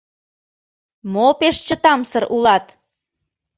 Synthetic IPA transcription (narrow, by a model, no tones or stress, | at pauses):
mopeʃt͡ɕət̪ɑmsəɾʔulɑt̪